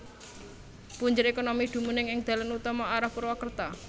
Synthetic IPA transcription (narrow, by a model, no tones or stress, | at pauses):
puɲd͡ʒʊɾekonomid̪̥ṳmunɪŋɪŋd̪̥ä̤lanut̪ɔmɔaɾapəɾwakərt̪a